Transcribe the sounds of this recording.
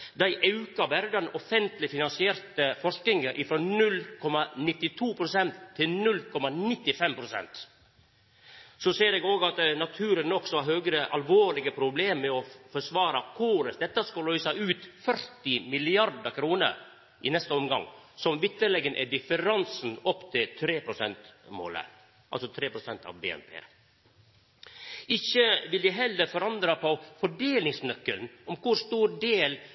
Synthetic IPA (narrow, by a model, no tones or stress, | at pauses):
d̪æɪʔɑʉkɑbɛɾd̪ɛnɔfɛnt̪lɪfɪnɑnsɪeːɾt̪əfɔʂk̪ɪŋəʔɪfɾɔnʉlkʰɔmɑnɪt̪ːɪt̪ʰuːpʰɾʊsɛnt̪ʰːɪlnʉlːkʰɔmɑnɪt̪ːɪfɛmpʰɾʊsɛ̰nt̪ | sɔseːɾɛːɡoːɡɑt̪nɑt̪ʰʉːɾənɔksɔɑɾɦøːɡɾəʔɑlʋoːɾɭɪɡəpʰɾʊbleːmːɛɔfɔʂʋɑːɾɑkʰuːɾəsd̪ɛt̪ːɑskɑlœʏsɑʉːt̪fœɾt̪ɪmɪlɪɑɾɖɑkʰɾuːnə̰ɾ | ʔɪnɛst̪əɔmɡɑ̰ŋːsɔmʋɪt̪ːəlɛɡənʔɛ̰dɪfəɾɑnsn̩ɔpːt̪ʰɪlt̪ʰɾeːpɾʊsɛnt̪mo̰ːlə̰ | ʔɑlsɔt̪ʰɾeːpɾʊsɛnt̪ɑ̰ʋbḛɛ̰npʰḛː | ɪçəʋɪld̪æɪɦɛlːəɾfɔɾɑnd̪ɾɑpʰɔfɔɖeːlɪŋsnœkːəlnɔmkʊɾst̪uːɾɖeːl